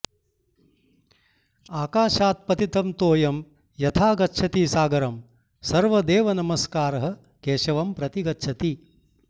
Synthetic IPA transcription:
aːkaːʃaːt̪̚pɐt̪it̪ɐmt̪oːjɐm | jɐt̪ʰaːɡɐtːʃʰɐt̪iːsaːɡɐɾɐm | sɐɾʋɐd̪eːʋɐnɐmɐskaːɾɐɦɐ̆ | keːʃɐʋɐmpɾɐt̪iɡɐtːʃʰɐt̪i

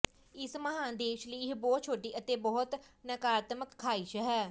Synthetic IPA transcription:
ɪsməɦãːd̪eːʃliːɦbɔːt̪̚t͡ʃʰoːʈiːʔət̪eːbɔːʊt̪nəkaːɾt̪məkʰːaːiːʃɦɛː

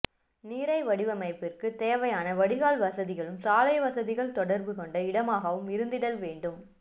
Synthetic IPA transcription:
niːɾɐɪʋɐɽɪʋɐmɐɪpːɪrkɯt̪eːʋɐjaːnɐʋɐɽɪɣaːlʋɐsɐðɪɣɐɭɯmsaːlɐɪʋɐsɐðɪɣɐɭt̪ɔɽɐɾbɯkɔɳɖɐɪɽɐmaːɣɐʋɯmɪɾɯnd̪ɪɽɐlʋeːɳɖɯm

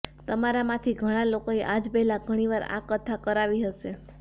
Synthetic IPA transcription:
t̪əmaɾamãt̪ʰiɡʱəɽ̃alokoeʔad͡ʒbɛɦlaɡʱəɽ̃iʋaɾa̰kət̪ʰakəɾaʋiɦəʃe

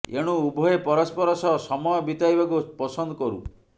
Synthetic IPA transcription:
ḛɽ̃uubʱɔepɔɾɔspɔɾɔsɔsɔmɔjɔbit̪aibakupɔsɔnd̪ɔkɔɾṵ

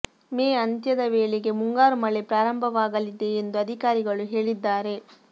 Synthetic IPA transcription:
meːɐnt̪jɐd̪ɐʋeːɭeɡe̞muŋɡaːɾumɐɭepɾaːɾɐmbʱɐʋaːɡɐlid̪e̞ːnd̪uɐd̪ʱikaːɾiɡɐɭuɦe̞ːɭid̪ːaːɾe̞

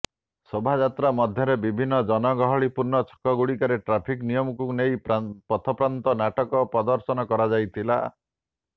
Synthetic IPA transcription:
sobʱad͡ʒat̪ɾamɔd̪ʱjɔɾebibʱinːɔd͡ʒɔnɔɡɔɦɔɭipuɾnɔt͡ʃʰɔ̥kɔɡuɽikaɾeʈɾapʰiknijɔmɔkunejpɔt̪ʰɔpɾant̪ɔnaʈɔkɔpɾɔd̪ɔɾsɔnɔkɔɾad͡ʒajt̪ʰila̰

